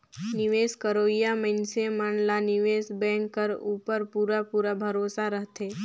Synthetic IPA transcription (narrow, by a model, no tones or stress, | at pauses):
nɪʋeːskəɾoijaməɪnsemənlanɪʋeːsbɛ̃ŋkːəɾuːpəɾpuɾapuːɾabʱəɾosaɾəɦt̪e